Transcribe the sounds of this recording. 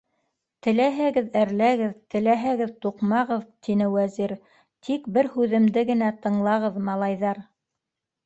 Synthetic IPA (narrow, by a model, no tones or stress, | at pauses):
t̪ɘ̆læɦæɡɘðæɾlæɡɘðt̪ɘ̆læɦæɡɘðt̪uqmɑʁɤðt̪ʰinɘwæziɾ | t̪ʰikbɘɾhʉðɘ̆md̪ɘɡɘ̆næt̪ɤ̆ɴlˠɑʁɤðmɑlˠɑjðɑɾ